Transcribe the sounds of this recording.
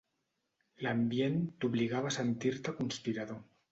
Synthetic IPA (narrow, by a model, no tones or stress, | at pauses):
lambjent̪uβliɣaβasent̪iɾt̪akunspiɾaðo